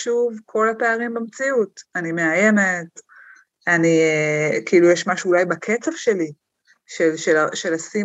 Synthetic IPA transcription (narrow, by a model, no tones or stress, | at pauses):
ʃuvkʰo̞lapeaʁimbemt͡siutanimeaje̞ne̞t | anikiilujɛʃmaʃuːlajbakʰet͡sevʃe̞li | ʃelʃelaʃe̞lasi